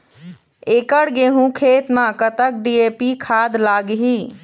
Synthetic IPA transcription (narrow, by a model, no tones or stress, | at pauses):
ekəɽɡeɦũkʰet̪mãkət̪ək̚ɖiepikʰad̪laɡɦi